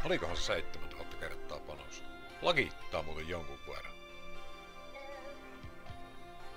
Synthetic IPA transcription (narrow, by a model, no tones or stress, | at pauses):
olikohɑnseseit̪ːemænt̪æʋuˑot̪ːɑkerˑt̪ːˑɑ̰ːpɑno̰s | lɑkit̪ːɑːmuːt̪ejjoŋkuʋkuḛrɑ̰n